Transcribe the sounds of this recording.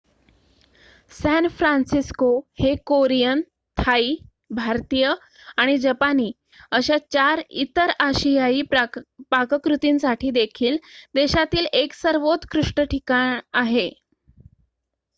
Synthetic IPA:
sɛnfɾansiskohekoɾijən | t̪ʰaiː | bʱaɾt̪ijə | aɽ̃id͡ʑəpaniː | əɕat͡ɕaɾit̪əɾaɕijaiːpakəkɾut̪iːnsaʈʰiːd̪ekʰiːld̪eɕat̪iːleksəɾʋot̪kɾuʂʈəʈʰikaɳaɦe

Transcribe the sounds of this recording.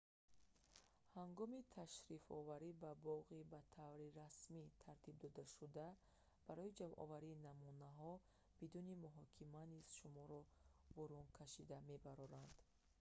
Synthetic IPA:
haŋɡɔmit̪ʰaʃɾifɔ̰vaɾibabɔʁibat̪ʰavɾiɾasmit̪ʰaɾt̪ʰib̚d̪ɔd̪aʃud̪a | b̥aɾɔid͡ʒamʔɔ̰vaɾiːnamunaɦɔ | b̥id̪unimuɦɔkʰimaniz̥ʃumɔɾɔbɔɾunkʰaʃid̪ame̞baɾɔɾand̪̥

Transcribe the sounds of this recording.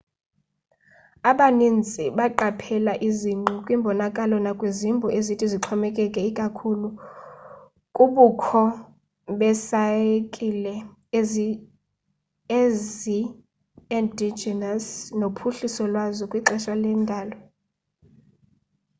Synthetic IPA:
aɓanind͡zʼiɓaǃapʰɛlaʔiziŋ͡ǃɔkʼwimbʱɔnakʼalɔnakʼwezimbʱɔʔezitʰiziǁʰɔmɛkʼɛkʼɛikʼakʰulu | kʼuɓukʰɔ | ɓɛsaekʼilɛ | ezi | ezi | ɛndid͡ʒɛnasnopʰuɬisɔlwazɔkʼwiǁɛʃalɛndʱaːlɔ

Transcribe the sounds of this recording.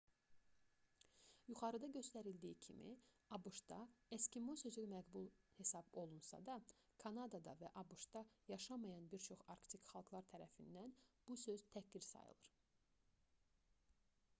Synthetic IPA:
juχɑɾɯd̪ɑɟø̞st̪æɾild̪iːicʰḭmḭ | ɑbuʃd̪ɑescimosø̞zymæɡbulˠhe̞sɑbo̞lˠunsɑ̰d̪ɑ | kʰɑnɑd̪ɑd̪ɑ̰væʔɑbuʃt̪ɑjɑʃɑmɑjɑnbiɾt͡ʃʰo̞χɑɾkt̪ʰikχɑlˠɡlˠɑɾt̪ʰæɾæfind̪ænb̥usø̞zt̪ʰæcd̪iɾsɑ̰jɯ̰lˠɯɾ̥

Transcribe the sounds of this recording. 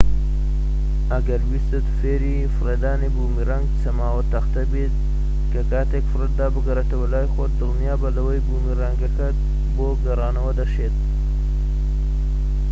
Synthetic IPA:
ɐɡɐɾwist̪et̪feːɾi | fɾɐd̪aːnibuːmiɾaŋɡt͡sɐmaːwɐt̪ɐxt̪ɐbid̪̚ | kɐkaːt̪ekfɾɐd̪d̪aːbəɡɐɾɐt̪ɐwɐlaːjxod̪uɣnjaːbɐlɐwɐjbuːmiɾɐŋɡɐkɐt̪̚ | boɡɐɾaːnɐwɐd̪ɐʃet̪̚

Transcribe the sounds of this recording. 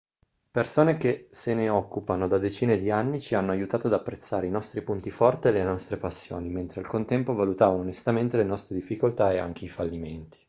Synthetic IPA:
persoːnek̟eseneɔkːupanod̪ad̪et͡ʃiːned̪ianːit͡ʃianːoajut̪aːt̪oad̪apːɾet̪sːaːɾeinɔst̪ɾipunt̪ifɔrt̪eelenɔst̪ɾepasːjo̰ːniment̪ɾealkont̪ɛmpovalut̪aːvanonest̪ament̪elenɔst̪ɾed̪ifːikolt̪aea̰ŋk̟eifalːiment̪i̥

